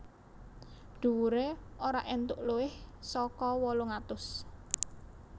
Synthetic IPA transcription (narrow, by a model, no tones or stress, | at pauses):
ɖ̥ṳwuɾeoɾaʔɛnt̪ʊʔluɪhsɔkɔwɔloŋat̪ʊs